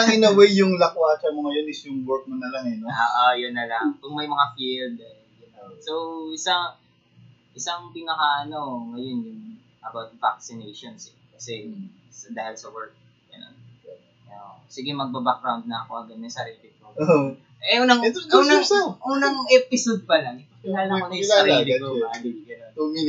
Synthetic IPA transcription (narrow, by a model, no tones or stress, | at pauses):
ɐŋɪnɐwejjʊŋlɐkwaːt͡ʃɐmoŋɐjonɪsjʊŋwɛɹk̚monɐlaŋɛnooːʔojʊnːɐlɐŋpɐɡ̚mɐjmɐŋafild̪ɛ | jʊnosowɪsaŋ | ʔɪsɐŋpɪnɐkaʔɐno̞ŋɐjonjʊŋ | ʔɐbawt̪̚va̰k̚sɪnejʃonsɛkɐsɛsɐd̪aːhɪlsɐwɛɹk̚ | ɡ̥ɐno̰n | osiɡɛmɐɡ̚bɐbak̚ɾawnd̪̚nɐɐkoʔɐɡɐd̪̚ɐsɐɾiːlɪk̪̚ko | ʔɛʔunɐŋunŋʔunɐŋʔɛpɪsod̪̚pɐlɐŋ | lalɐkonɐjsɐɾiːlɪkooad̪ɪɡɐnonoi